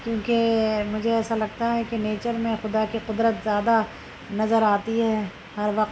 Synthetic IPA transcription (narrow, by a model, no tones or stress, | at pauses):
kjõːkemʊd͡ʒʱeɛːsalɐɡ̚t̪aɦɛkeneːt͡ʃəɾmẽxʊd̪akiqʊd̪ɾət̪zjaːd̪a | nɐzəɾaːt̪iɦɛ | ɦɐɾʋɐqt̪